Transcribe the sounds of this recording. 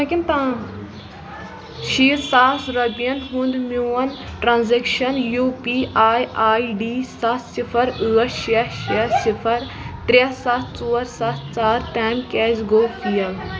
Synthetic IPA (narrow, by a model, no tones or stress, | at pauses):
ɐkʲint̪aː | ʃiːɾsaːsɾɐbijɐnɦũnd̪muwɐnʈɾãːnzekʃɐnjupiʔaːjʔaːiɖiːsat̪sifʰɐɾɨːɐʃeʃɐsipʰɐɾ | t̪ɾʲesat̪ʰt͡soːɾsat̪ʰt͡saːɾt̪aːmkɛzɡoːfijɐl